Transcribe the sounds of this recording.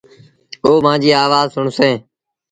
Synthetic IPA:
oːmãːd͡ʒiːaːʋaːzsʊɳsẽː

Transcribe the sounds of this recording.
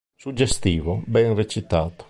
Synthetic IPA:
sud͡ʒest̪iːvobɛŋret͡ʃit̪aːt̪o̥

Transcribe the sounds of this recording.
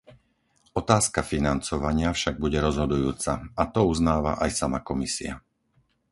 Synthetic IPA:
ɔt̪aːskafinant͡sɔʋaɲɪafʃaɡ̚buɟɛɾɔzɦɔd̪ujuːt͡saat̪ɔuznaːʋa̰ʔajsamakɔmisḭa

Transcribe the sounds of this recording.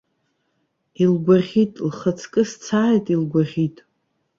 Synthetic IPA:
ilɡʷaʁʲitʼlχət͡sʰkʼɨst͡sʰaːjtʼilɡʷaʁʲitʼ

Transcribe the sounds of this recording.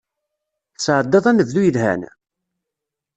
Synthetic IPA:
sʕəd̪ːɑðˤænəvðujəðhæ̰n

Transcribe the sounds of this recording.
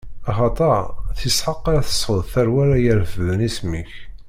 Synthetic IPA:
ɑχɑt̪ˤəʕθisħəqːaɾaθə̥sˤʊðˤθæɾwæɾæjæɾfəðənismiç

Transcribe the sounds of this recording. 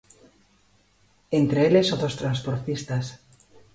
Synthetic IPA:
ent̪ɾeelesoðost̪ɾanspoɾt̪ist̪as

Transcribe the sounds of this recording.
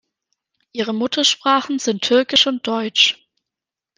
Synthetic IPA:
ʔiːʁ̞əmʊtʰɐʃpʁ̥aːχn̩zɪntʰːʏɐkɪʃʊnt̚d̥ɔʏt͡ʃ

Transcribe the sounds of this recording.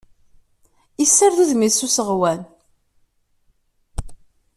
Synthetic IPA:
isːəɾðuðmisusəʁwæn

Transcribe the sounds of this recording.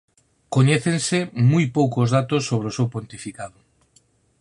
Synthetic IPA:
koɲɛθensɪmujpowkozðat̪osːoβ̞ɾeosewpont̪ifikaðʊ

